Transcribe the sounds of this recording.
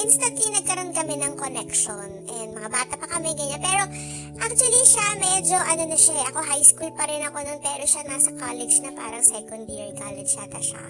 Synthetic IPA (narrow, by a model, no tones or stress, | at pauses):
ʔɪnst̪ɐnt̪lɪnɐɡ̚kɐɾo̞nkɐmɛnɐŋkonɛkʃonʔɛnd̪̚mɐŋabaːt̪ɐpɐkɐmɛŋɡɐɲanpɛːɾo̞ | ʔak̚t͡ʃ̪ʊɐliʃamɛd͡ʒo̞ʔɐno̞nɐʃaʔɛʔɐko̞ɦajskulpɐɾɪnɐko̞nonpɛːɾo̞ʃanaːsɐkalɛd͡ʒnɐpa̰ːɾɐŋsɛkond̪ɛɹika̰ːlɛd͡ʒat̪ɐʃa̰